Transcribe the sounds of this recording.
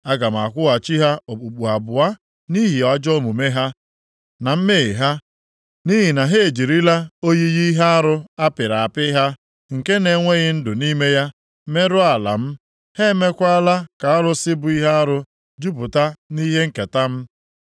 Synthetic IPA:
a˦ɡa˨m̩˨a˨kʷʊ˦a˨t͡ʃi˦ɦa˦o˨k͡pu˨k͡pu˨a˨bʊ˨a˦ | ni˦ɦi˨ɔ˨d͡ʒɔ˦mʊ˨me˦ɦa˦ | na˨m̩˦me˦˨ɦa˦ | ni˦ɦi˨na˨ɦe˦e˨d͡ʒi˨ɾi˦la˦o˦ji˦ɣi˦ɦa˦a˦ɾʊ˦a˦pɪ˨ɾa˨a˨pɪ˦ɦa˦ | ŋ̩˨ke˦ne˨ŋʷe˦ɣɪ˦n̩˦dʊ˨ni˦me˦ja˦ | me˦ɾʊ˦a˨la̰˨m̩˦ | he˦me˦kʷa˦la˦ka˨a˦ɾʊ˦sɪ˦bʊ˨i˦ɦa˦a˦ɾʊ˦ | d͡ʒu˦pʊ˨ta˦ni˦ɦe˦ŋ̩˨ke˨ta˦m̩˦

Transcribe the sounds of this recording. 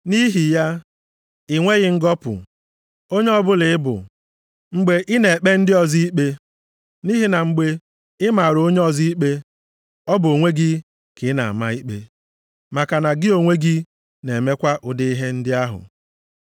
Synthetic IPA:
ni˦ɦi˨ja˦ | ɪ˦˨ŋʷe˦ɣɪ˦ŋ̩˦ɡɔ˦pʊ̰˨ | o˦ɲe˦ɔ˦bʊ˦lɪ˨ɪ˦bʊ̰˨ | ŋ͡m̩˦ɡ͡be˦ʔɪ˦ne˨e˨k͡pe˦n̩˦dɪ˦ɔ˨zi˦i˦k͡pe˦ | ni˦ɦi˨na˨ŋ͡m̩˦ɡ͡be˦ | ɪ˦ma˨ɾo˦ɲe˦ɔ˦zi˦i˦k͡pe˦ | ɔ˦bʊ˨o˨ŋʷe˦ɡɪ˦ | kɪ˨˦na̰˨a˨ma˦i˦k͡pe˦ | ma˨ka˨na˨ɡɪ˦o˨ŋʷe˦ɡɪ˦ | ne˨me˦kʷa˦ʔʊ˨dɪ˦i˦ɦe˦n̩˦dɪ˦a˦ɦʊ̰˨

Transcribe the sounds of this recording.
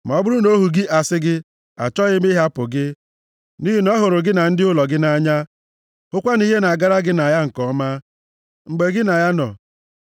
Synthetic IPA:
m˨ɔ˨˦bʊ˦ɾʊ˦no˦ɦu˨ɡɪ˦ʔa˨sɪ˦ɡɪ˦ | a̰˨t͡ʃɔ˦ɣɪ˦mi˦ɦa˦pʊ˨ɡɪ˦ | ni˦ɦi˨nɔ˦ɦʊ˨ɾʊ˨ɡɪ˦na˨n̩˦dɪ˦ʊ˦lɔ˨ɡɪ˦na˦ɲa˦ | ʊ˦kʷa˦ni˦ɦe˦na˨a˨ɡa˦ɾa˦ɡɪ˦na˨ja˦ŋ̩˨kɔ˦ma˦ | ŋ͡m̩˨ɡ͡be˨ɡɪ˦na˨ja˦nɔ̰˨

